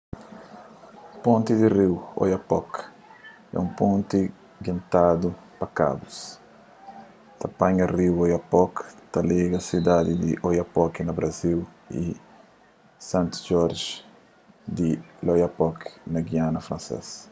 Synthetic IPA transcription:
põnt̪id̪iriwo̰jɐpɔk | ɛ̰ũpõnt̪i | ɡĩnt̪ad̪u | pɐka̰bus | t̪ɐpãɲɐriwojɐpɔkt̪ɐliɡɐsid̪ad̪id̪iʔojɐpɔkinɐbɾʔɐziw | ḭ | sãnt̪ʒɔɾʒ | d̪ilojapɔknɐɡianɐfɾɐ̃nsḛs

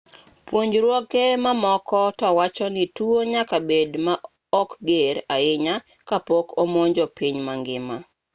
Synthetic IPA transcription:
pwoɲd͡ʒɾwɔkemamɔkɔtɔwat͡ʃɔnɪtuoɲakabedma | ɔkɡeɾaɪɲa | kapokomoɲd͡ʒɔpiɲmaŋɡɪma

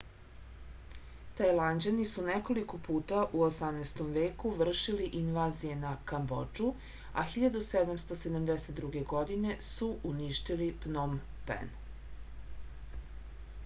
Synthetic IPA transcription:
t̪ajlˠand͡ʑanisuneko̞likopuːt̪aʔuosamnejst̪o̞mʋe̞ːkuʋr̩ʃiliʔinʋaːzije̞nakambo̰d͡ʒu | a̰xiʎad̪used̪amst̪osed̪amd̪eset̪̚d̪ɾuɡe̞ɡo̞d̪ine̞suʔuniʃt̪ilipnom | pḛn

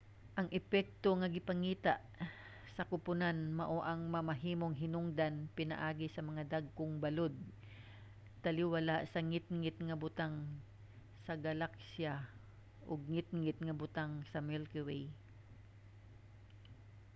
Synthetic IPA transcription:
ʔɐŋʔɛpɛk̚t̪o̞ŋɐɡɪpɐŋiːt̪aʔ | sɐkʊpʊnanmɐʔo̞ʔɐŋmɐmɐɦiːmo̞ŋɦɪnʊŋd̪anpɪnɐ̰ʔaːɡɪsɐmɐŋad̪aɡ̚koŋbɐlo̞d̪̚ | t̪ɐlɪwalaʔsɐŋɪt̪̚ŋɪt̪ŋɐbʊt̪aŋ | sɐɡɐlaksja | ʔoɡ̚ŋɪt̪̚ŋɪt̪̚ŋɐbʊt̪aŋsɐmɛlkʊwɛj

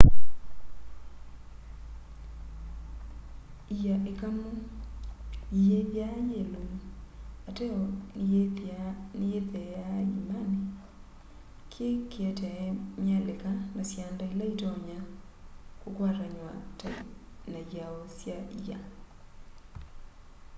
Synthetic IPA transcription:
ijaʔekamu | ijeβjajelom | atɛɔ | nieðɛjaimane | kʰjekʰeɛtɛɛmjalekanɔsjandailaitɔɲa | kokwaɾaɲwata | naaɔsjaʔija

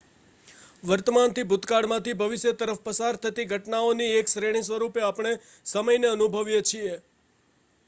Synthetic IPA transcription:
ʋəɾt̪əmant̪ʰibʱʊt̪kaɽmãt̪ibʱəʋɪʃjət̪əɾəfpəsaɾt̪ʰət̪iɡʱəʈnaonieksɾeɽ̃ĩs̬ʋəɾupeapɳ̃e | səməjneənubʱəʋjet͡ʃʰie

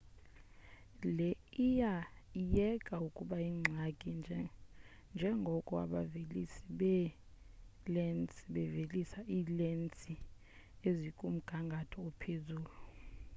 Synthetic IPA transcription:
lɛijajɛkʼaukʼuɓaiːŋ͡ǀʱakʼi | nd͡ʒʱɛŋɡʱɔkʼɔa̰ɓavelisiɓɛ | lɛnt͡sʼiɓɛvelisaʔiːlent͡sʼi | ezikʼum̩ɡ̥ʱaŋɡʱatʰɔɔpʰezuːlu

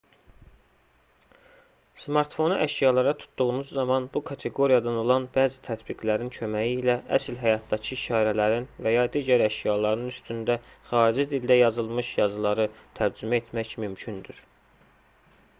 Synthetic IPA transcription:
smɑɾt̪fo̞nɯʔæʃjɑlˠɑɾɑt̪ʰu̥t̪d̪uɣunuzːɑmɑnbukʰɑt̪ʰe̞ɡo̞ɾijɑd̪ɑno̞lˠɑnbæːzit̪ʰæt̪biɡlæɾincʰø̞mæjiːlæʔæslɦæjɑt̪̚d̪ɑcʰiʃɑːɾælæɾinvæjɑd̪iːɟæɾæʃjɑlˠɑɾnɯnyst̪ynd̪æχɑːɾid͡ʒid̪ild̪æjɑzɯlˠmɯʃjɑzɯlˠɑɾɯt̪ʰæɾd͡ʒymæe̞t̪ʰmæçmymcʰynd̪yɾ̥

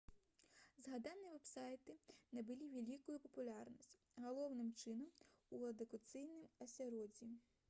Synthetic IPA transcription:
zɦɐd̪ɑnʲiʋɛbsɑjt̪ɪnɐbɪlʲiʋʲelʲikʊjʊpɔpʊlʲarnɔsʲtʲ | ɦɔlˠɔwnɪmt͡ʃɪnɔmuɐd̪ʊkʊt̪sɪjnɪmɐsʲɐɾɔdʲi

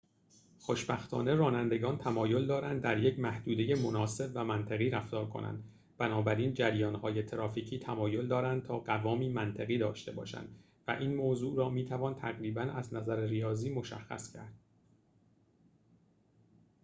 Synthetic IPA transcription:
xo̞ʃbæxt̪ʰɒ̰ːne̞ɾɒːnænd̪e̞ɡɒːnt̪ʰæmɒːjo̞ld̪ɒːɾænd̪̚ːæɾjecʰmæhd̪uːd̪e̞je̞mo̞nɒːse̞bvæmænt̪ʰeɣiːɾæft̪ɒːɾkʰo̞̰nʔæ̰nd̪ | b̥ænɒːbæɾiːnd͡ʒæɾjɒːnhɒːje̞t̪ʰeɾɒːfiːcʰiːt̪ʰæmɒːjo̞ld̪ɒːɾænd̪̚t̪ʰɒːɢævɒːmiːmænt̪ʰeɣiːd̪ɒːʃt̪e̞bɒ̰ːʃæ̰nd̪ | væʔiːnmoːzuːʔɾɒːmiːt̪ʰævɒːnt̪ʰæɣɾiːbænæznæzæɾerijɒːziːmo̞ʃæ̰xːæ̰scʰæ̰ɾd̪̥̚

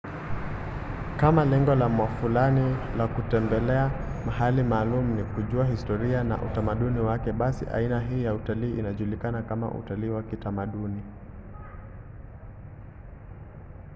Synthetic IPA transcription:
kamalɛŋɡɔlamwafulanilakutɛmbɛlɛamaɦalimaːlumunikuʄuaɦistɔɾiana̰ʔṵtamaɗuniwakɛɓasḭʔa̰inaɦiːjautaliːʔinaʄulikanakama̰ʔṵtaliːwakitamaɗuni

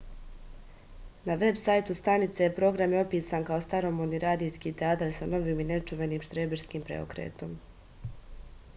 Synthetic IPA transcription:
naʋe̞bsajt̪ust̪anit̪sejepɾo̞ɡɾamjeo̞piːsankao̞st̪aɾo̞mod̪niɾaːd̪ijskiːt̪eaːt̪aɾsano̞ʋiːmine̞t͡ʃuʋe̞niːmʃt̪ɾeːbiɾskiːmpɾḛo̞̰kɾḛːt̪o̞m

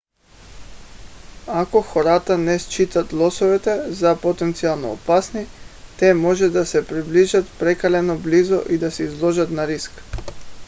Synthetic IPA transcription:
akɔxɔɾat̪anɛst͡ʃit̪at̪lˠɔsɔvɛt̪ɛzapot̪ɛnt̪sialˠnɔ̰ːpasnit̪ɛmɔʒɛd̪asɛpɾibliʒat̪pɾɛkalɛnɔblizɔʔid̪asɛizlˠɔʒat̪naɾisk

